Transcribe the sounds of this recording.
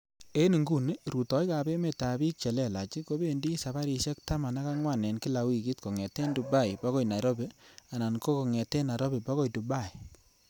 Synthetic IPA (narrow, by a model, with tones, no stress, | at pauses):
e˦ni˨ŋɡu˦˨ni˦ɾu˨tɔ˨jka˨be˦me˨ta˨bi˦k̚t͡ʃɛ˨lɛ˦˨la˨t͡ʃi˦ko˦be˦˨ndi˦sa˨ba˦ɾi˧ʃɛ˦k̚ta˦ma˨na˦ka˦ŋwa˦˨nɛ˨nki˦la˨wi˨ki˦tko˨ŋɛ˨te˦ndu˨ba˦˨jpa˦kɔ˦˨jna˨ɾɔ˦be˦a˨na˨nko˦ko˨ŋɛ˨te˦na˨ɾɔ˦be˨ba˦kɔ˦˨jtu˨ba˦˨i˨